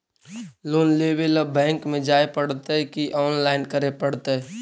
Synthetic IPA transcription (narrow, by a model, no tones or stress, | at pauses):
loːnlebeləbɛ̃ːŋkmẽd͡ʒaːepəɽt̪ekiʔɔːnlaːɪnkəɾepəɽt̪e